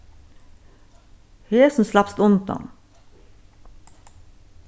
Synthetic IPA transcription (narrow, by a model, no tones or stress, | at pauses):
heːsn̩slɑpst̪ʊnt̪ɑ̰m